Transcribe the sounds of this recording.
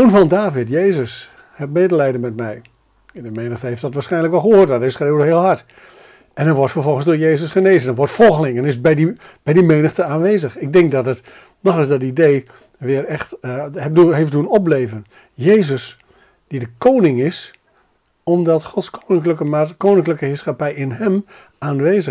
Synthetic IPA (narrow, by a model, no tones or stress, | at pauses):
unvɔndaːvɪtjeːzəs | hɛpmeːdəlɛjdənmɛtmɛj | dəmeːnəxtəeftdɔtʋaːrsχɛjnləkʋɔlˠxəoːrtʋaɛsχreəwdəɦɪəlˠɦat | ɛndɔnʋɔrtfərvɔlˠχənzdʊːɹjeːzəsχəneːzəndɔnʋɔrtfɔlˠɣəlɪŋɛnɪsbɛjdi | b̥ɛjdimeːnəxtəaːnʋeːzəxɪk̚dɪŋk̚dɔtət | nɔχɪsdɔt̬idej | ʋɪərɛxthɛduɦefduənɔpleːvən | jeːzəs | d̥idəkʰownɪŋɪs | ɔmdɔtχɔtskonɪkləkəmakownɪŋkləkəhɪːsχapɛjɪnɦɛm | aːnʋeːzə